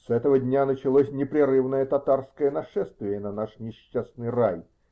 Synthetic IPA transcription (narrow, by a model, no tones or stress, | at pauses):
sɛt̪əvədʲnʲanət͡ɕɪlˠosʲnʲɪpɾʲɪɾɨvnəjət̪ɐt̪arskəjənɐʂɛst̪vʲɪjənɐnaʂnʲɪɕːasnɨjraj